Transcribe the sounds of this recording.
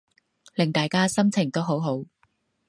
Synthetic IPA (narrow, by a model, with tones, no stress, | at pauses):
lɪ˨˩ŋt̪aː˨jkaː˥sɐ˥mt͡sʰɪ˨˩ŋt̪o˥wɦo˨˥wɦo˨˥w